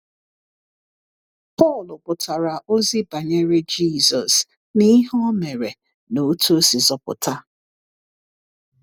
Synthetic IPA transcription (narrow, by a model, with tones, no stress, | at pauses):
pɔ˦˨lʊ˨pʊ˨tʰa˨ɾa˨ʔo˦zi˦ba˨ɲe˦ɾe˦d͡ʒi˦˨zɔ˨s | ni˦ɦɔ˦me˨ɾe˨ | no˨˦tʰu˦si˨zɔ˨pʊ̰˨ta˦